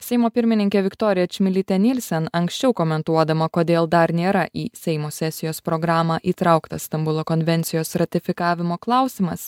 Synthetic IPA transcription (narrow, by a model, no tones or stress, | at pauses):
sʲɛɪmoːpʲɪɾʲmʲɪnʲɪŋʲkʲeːʋʲɪkt̪oːɾʲɪjɛt͡ʃʲmʲɪlʲɪt̪ʲɛnʲɪlʲsʲɛnɐŋksʲt͡ʃʲɛʊkomʲɛnt̪uɔd̪ɐmɐkoːd̪ʲeːlˠd̪ɐɾnʲeːɾɐʔiːsʲɛɪmoːsʲɛsʲɪjoːspɾoːɡɾɑːmɑːʔiːt̪ɾɑʊkt̪ɐst̪ɐmbʊlˠoːkɔnʲʋʲɛnʲt̪sʲɪjoːsɾɐt̪ʲɪfʲɪkɑːʋʲɪmoːklˠɑˑʊsʲɪmɐ̰s